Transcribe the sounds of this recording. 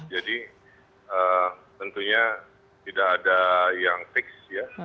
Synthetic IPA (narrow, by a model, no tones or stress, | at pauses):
d͡ʒadi | ət̪ənt̪uɲa | t̪idakːdajaŋfɪksja